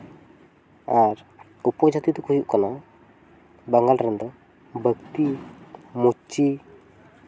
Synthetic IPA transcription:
ar | upɔd͡ʒat̪it̪ukujuʔkəna | baŋɡalrənt̪ɔ | bakt̪i | mut͡ʃi

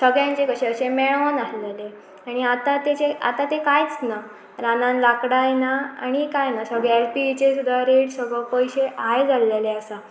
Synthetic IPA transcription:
səɡɭjãɲt͡ɕekəɕeəɕemeɭɔnaɦlele | aɽ̃iat̪at̪et͡ɕea̰t̪at̪ekajt͡sna | ɾanãnlakɽajnaa̰ɽ̃ikajnasəɡɭeelpit͡ɕesud̪ʱaɾeɽsəɡɭəpɔjɕeajd͡zaleleasa

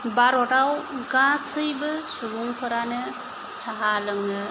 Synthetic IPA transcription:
baɾɔʈawɡãsɯjbɯsuɡuŋpʰɯɾanɯ | saɦalɯŋnɯ

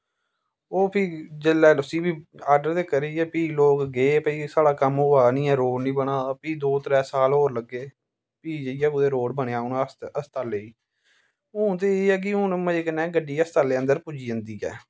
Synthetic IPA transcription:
oːpʰɪːd͡ʒəlːɛːlʊsiːbiːaːɖəɾt̪eːkəɾiːɛːpiːloːkɡeːpiːsaːɽaːkəmʊaːnĩːɛːɾoːɖnĩːbəɳaːpiːd̪oːt̪ɾɛːsaːlɦoːɾləɡːeː | piːd͡ʒəijaːkʊd̪eːɾoːɽbəɽ̃eaːʊnəst̪aːleiː | ʊːnt̪̬eːeːɛːk̬ɪɦʊnməd͡ʒeːkənɛ̃ːɡəɖiːəst̪aːleːə̃nd̪əɾpʊd͡ʒiːənd̪iːɛ̰ː

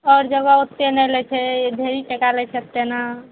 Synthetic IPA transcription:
ɔːɾd͡ʒəɡaot̪ːenɛlɛt͡ʃʰɛd̪ʱeɾiʈekalɛt͡ʃʰɛət̪ːena

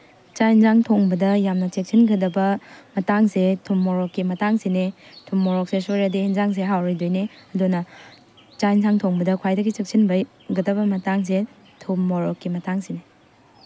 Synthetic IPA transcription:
t͡ʃajnzaŋtʰoŋbɐdɐjamnɐt͡ʃek̚sʰinɡɐdɐbɐmɐtaŋsetʰumːoɾɔkːimɐtaŋsinetʰumːoɾɔk̚sesoɾɐdienzaŋs̬eɦawɾojdojneɐdunɐ | t͡ʃajnsaŋtʰoŋbɐdɐkʰwajdɐɡit͡ʃek̚sʰinbɐj | ɡɐdɐbɐmɐtaŋs̬e | tʰumːoɾɔkːimɐtaŋsine

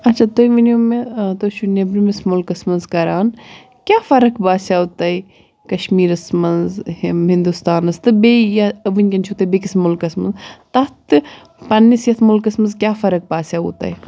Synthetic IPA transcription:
ɐt͡ʃʰat̪oiʋinomet̪oʃunɐbɾimɐsmulkɐsmɐnzkɐɾaːn | kʲjaːfɐɾɐkbaːsʲjaːut̪ɐi | kɐʃmiːɾɐsmɐnzhɦind̪ust̪aːnɐst̪ɨbejɐɐʋɨnʲkʲɐnt͡ʃʰut̪ɐbekismʊlkɐsmɐ̰nzt̪ɐt̪ɨ | pɐnːisjɐt̪ʰmulkɐsmɐnzkʲjaːfɐɾɐk̚baːsʲaːṵt̪a̰ːj

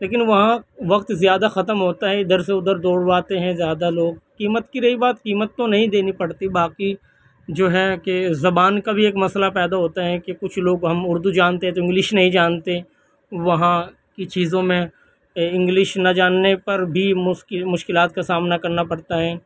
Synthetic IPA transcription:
leːk̬ɪnʋɐɦãʋɐqt̪zjaːd̪axɐt̪əmɦoːt̪aɦɛɪd̪əɾs̬eʊd̪əɾd̪oːɽʋaːt̪eɦɛ̃zjaːd̪aloːɡ̚kiːmət̪kiɾɐibaːt̪kiːmət̪ːonɐɦĩd̪eːnipɐɽt̪ibaːqi | d͡ʒoːɦɛkezɐbaːnkabʱieːkmɐslapɛːd̪aɦoːt̪aɦɛkekʊt͡ʃʰloːɡɦɐmʊɾd̪ud͡ʒaːnt̪eɦɛ̃t̪oɪ̃ŋɡlɪʃnɐɦĩd͡ʒaːnt̪eɛ̃ | ʋɐɦã | kit͡ʃiːzõmẽ | ɪ̃ŋɡlɪʃnɐd͡ʒaːnːepɐɾbʱimʊmʊʃkɪlaːt̪̚kasaːmnakɐɾnapɐɽt̪aɦɛː

